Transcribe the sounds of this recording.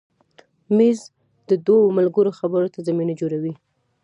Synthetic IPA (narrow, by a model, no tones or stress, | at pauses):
miz | d̪əd̪wawomalɡəɾoxabəɾot̪azaminad͡ʒoɾawi